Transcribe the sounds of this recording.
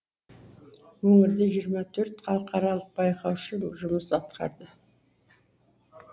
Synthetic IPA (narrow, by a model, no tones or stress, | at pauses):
wɵŋɪɾd̪eʒijəɾmɑt̪ʰɵɾt̪qʰɑlˠəqɑɾɑlˠəq̚bɑjqɑwʃəʒʊməsɑt̪qɑ̰ɾd̪ə